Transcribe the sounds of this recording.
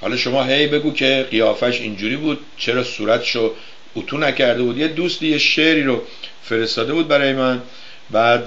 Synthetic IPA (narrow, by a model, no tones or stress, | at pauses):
hɒ̰ːlɒʃo̞mɒːɦe̞jbe̞ɡuːcʰe̞ɢijɒːfæʃind͡ʒuːɾiːbuːd̪̥̚t͡ʃʰe̞ɾɒːsuːɾæt̪ʰʃo | ut̪ʰuːnæcʰæɾd̪ebuːd̪jed̪uːst̪iːjeʃe̞ʔɾiːɾo | fe̞ɾe̞st̪ɒːd̪e̞buːd̪bæɾɒːje̞mæn | bæd̪